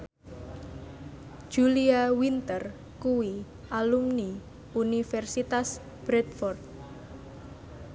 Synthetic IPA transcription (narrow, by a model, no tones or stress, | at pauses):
d͡ʒ̥uliawint̪ər | kuwi | ʔalumni | unifɛrsit̪as | b̥ɾɛt̪fɔrt̪̚